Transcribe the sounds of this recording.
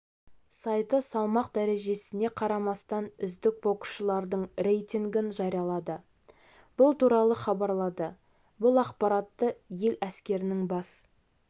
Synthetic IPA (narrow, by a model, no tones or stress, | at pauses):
sɑjt̪əsɑlˠmɑq̚d̪æɾe̞ʒe̞sɪne̞qʰɑɾɑmɑst̪ɑnʏzd̪ɪk̚bo̞qu̥ʃəlˠɑɾd̪əɴɾʲe̞jt̪iŋɡʲɪnʒɑɾijɑlˠɑd̪ə | b̥ʊlˠt̪uɾɑlˠəχɑbɑɾlˠɑd̪ə | bʊlˠɑqpɑɾɑt̪ːəje̞læskʲe̞ɾɪnɪŋbɑs